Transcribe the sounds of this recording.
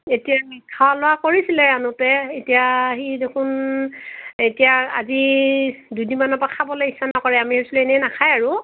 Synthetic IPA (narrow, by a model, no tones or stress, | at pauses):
etijamikʰːalʊwakoɹisilɛanutɛetijaɦidekʰun | etijaa̰zi | dujdinmanɔpakʰabɔlɔisːanakɔɹɛamihɛɹsulɛɛnɛnakʰajaɹu